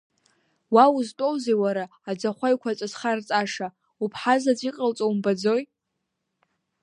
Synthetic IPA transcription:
wauztʼowzejwaɾaːd͡zaχʷajkʷʰat͡sʼasχart͡sʼaʂa | upʰħazat͡sʷʼiqʼəlt͡sʼowmbad͡zo̞j

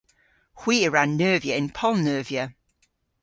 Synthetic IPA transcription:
hw̥iːəɹãnːɜːvjəɪ̃npʰɔlˠnɜːviə

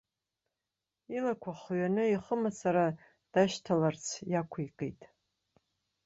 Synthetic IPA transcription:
ilakʷʰaχɥanɨiχəmasʰaɾa | d̥aʃtʰalart͡sʰjakʷʰajkʼḛjtʼ

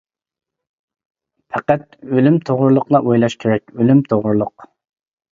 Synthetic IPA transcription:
pʰɛqæt̪̚ølymt̪ʰoʁʊɾlˠʊqlˠɑʔojlˠɑʃkʲʰeɾɛk̚ʲølymt̪ʰoʁʊɾlˠʊq

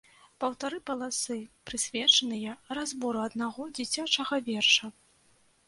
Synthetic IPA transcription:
pɐwt̪aɾɨpɐlˠasɨpɾɨsʲvʲɛt͡ʂɐnɨjɐrazbɔɾɨɐd̪naɣɔd͡zʲit͡sʲat͡ʂɐɣɐvʲɛrʂɐ

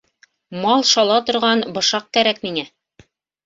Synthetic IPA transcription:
mɑlˠʃɑlˠɑt̪ŏɾʁɑnbɤ̆ʃɑq̚kæɾækmiŋæ

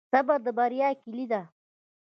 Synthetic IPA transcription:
sabaɾd̪əbaɾjɑːkilid̪a

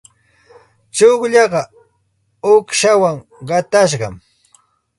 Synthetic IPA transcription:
t͡ʃoχʎɑɢɑ | ʊkʃawaŋ | ɢɑt̪aʃɢɑ̰m

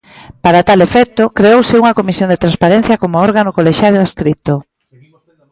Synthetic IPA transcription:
paɾat̪alefɛk̚t̪ʊkɾeowsɪuŋɐkomisjond̪et̪ɾanspaɾen̟θjɐkomʊɔɾɣanʊkoleʃaðoaskɾit̪o

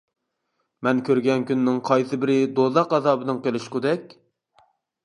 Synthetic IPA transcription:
mɛnkʲʰøɾɡʲɛnkʲynːɪŋqʰɑjsɨbɪɾɪd̪oðɑqɑzɑːbɨnɨŋqelɪʃqʊd̪ɛkʲ

